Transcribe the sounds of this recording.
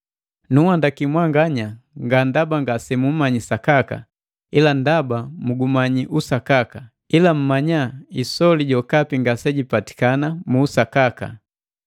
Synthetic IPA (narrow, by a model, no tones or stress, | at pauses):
nuwandakimwaŋɡaɲaŋɡandabaŋɡasɛmumaɲisakaka̰ | ilandabamuɡumaɲiʔusakaka | ilam̩maɲaisɔliɟɔkapiŋɡasɛɟipati̥kanamuːsakaka̰